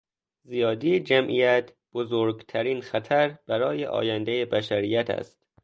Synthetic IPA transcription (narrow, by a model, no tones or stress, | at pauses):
zijɒːd̪id͡ʒæmʔijæt̪ | b̥ozoːɾɡt̪ʰæɾiːnxæt̪ʰæɾb̥æɾɒːjeʔɒ̰ːjænd̪ejebæʃæɾiːjæt̪ʰæ̰st̪